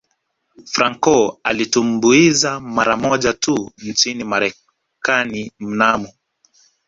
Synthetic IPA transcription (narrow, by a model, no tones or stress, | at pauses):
fɾaŋkɔalitumbuizamaɾamɔʄatun̩t͡ʃinimaɾɛ | kanim̩namɔ